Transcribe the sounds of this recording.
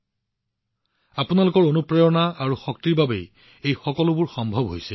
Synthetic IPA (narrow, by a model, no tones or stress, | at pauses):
apunalʊkɔɹonupɹejɔnaaɹuxɔk̚tiɹbabḛj | ejxɔkɔlʊbʊɹxɔmbʱɔbɦojsɛ